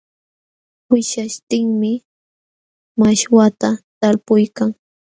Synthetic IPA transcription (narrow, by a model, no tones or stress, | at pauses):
ʊʃaʃt̪ɪŋmɪ | maʃwat̪at̪aɾpʊjkaŋ